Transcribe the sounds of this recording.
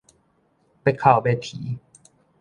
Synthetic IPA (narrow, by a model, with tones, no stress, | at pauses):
pa˨˧jkʰaː˨˩wbɛː˨˩t̪ʰiː˨˩˦